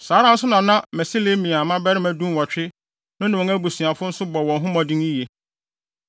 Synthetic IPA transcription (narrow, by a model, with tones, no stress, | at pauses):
saː˨˦ɾã˦n̩˦sʊ˦nã˨nã˦mæ˨si˦le˦mĩ˨a˨mã˦bɛ˦ɾɪ˦mæ̃˨dũ˦m˦wɔ˨t͡ɕᶣɪ˦ | nʊ̃˦nã˨ɔ̃˨ŋæ˦bu˨si˨a˨fʊ˦n̩˦sʊ˦bɔ˨wɔ̃˨nɦʊ̃˦mã˨dĩ˦ni˦je˦